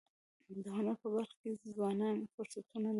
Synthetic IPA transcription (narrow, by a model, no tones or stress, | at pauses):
d̪əɦanapəbaɾxkezwɑnɑnxʊɾsat̪ʰunal